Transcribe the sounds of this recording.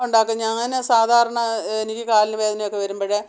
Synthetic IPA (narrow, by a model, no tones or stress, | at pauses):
uɳɖaːkːɨɲaŋːɐnɨsaːd̪ʱaːɾɐɳɐenikʲːɨkaːlinɨʋe̞ːd̪ɐnɐjo̞kːe̞ʋɐɾumboːɻɨ